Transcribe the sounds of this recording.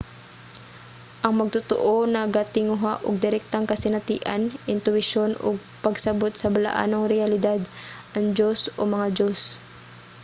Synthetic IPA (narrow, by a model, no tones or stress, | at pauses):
ʔɐŋmɐɡ̚t̪ʊt̪o̰ʔonɐɡat̪ɪŋʊɦaʔʊ̰ɡ̚d̪ɪɾɛk̚t̪aŋkɐsɪnɐt̪iːʔanʔɪnt̪ʊwɪʃonʔʊ̰ɡ̚pɐɡsɐbot̪sɐbala̰ʔa̰noŋɾɛjɐlɪd̪ad̪ʔɐŋd͡ʒosʔomɐŋad͡ʒos